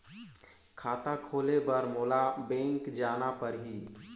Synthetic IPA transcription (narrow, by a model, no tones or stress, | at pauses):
kʰaːt̪akʰoːlebəɾmoːlabẽːŋkd͡ʒaːnapəɾɦiː